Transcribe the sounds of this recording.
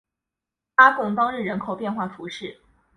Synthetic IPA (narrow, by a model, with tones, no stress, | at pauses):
pa˥kʊ˥˩ŋt̪ɑ˥ŋɻ̩˥˩ɻə˧˥nkʰo˨˩ʊpjɛ˥˧nxwa˥˩fu˧˥ʂɻ̩˥˩